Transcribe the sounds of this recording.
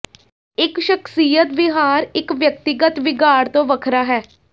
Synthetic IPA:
ɪkʃəksiːjət̪bɪɦaːɾɪkʋjək̚t̪ɪɡət̪ʋɪɡaːɾt̪õːʋəkʰɾaːɦɛː

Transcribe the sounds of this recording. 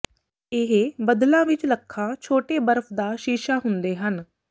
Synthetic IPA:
ɪɦbəd̪lãːʋɪt͡ʃləkʰːãːt͡ʃʰoːʈeːbəɾəpʰd̪aːʃiːʃaːɦʊnd̪eːɦən

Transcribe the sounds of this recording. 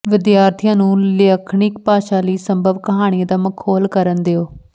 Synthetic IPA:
ʋɪd̪jaːɾt̪ʰijãːnũːləkʰɳɪkpaːʃaːliːsəmbʱəʋkəɦaːɽ̃iẽːd̪aːməkʰoːlkəɾənd̪eoː

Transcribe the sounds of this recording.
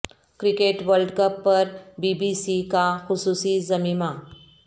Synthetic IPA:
kɾikeʈʋəlɖkəpːəɾbibisikaxusuːsizəmiːma

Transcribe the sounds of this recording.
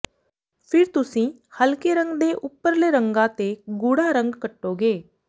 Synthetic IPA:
pʰɪɾt̪ʊsĩː | həlkeɾə̃ŋɡd̪eːʔʊpːəɾleːɾə̃ŋɡãːt̪eːɡʊɽaːɾə̃ŋɡkəʈːoːɡeː

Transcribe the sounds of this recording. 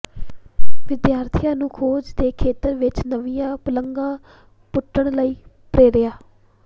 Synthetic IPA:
ʋɪd̪jaːɾt̪ʰɪjãːnũːkʰoːd͡ʒd̪eːkʰeːt̪əɾʋɪt͡ʃnəʋɪjãːpʊləŋɡãː | pʊʈːəɳləiː | pɾeːɾɪjaː

